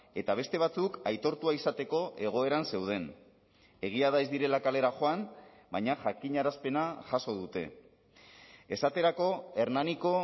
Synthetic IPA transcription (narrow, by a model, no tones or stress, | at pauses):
e̞t̪aβ̞e̞st̪e̞β̞at͡sukajt̪o̞ɾt̪uaisat̪e̞ko̞ʔe̞ɣ̞o̞e̞ɾanse̞wð̞e̞n | e̞ɣ̞iaðaezd̪iɾe̞lakale̞ɾaxo̞an | bajɲaʝakiɲaɾaspe̞naʝaso̞ð̞ut̪e̞̰ | esat̪e̞ɾako̞e̞ɾnaniko̞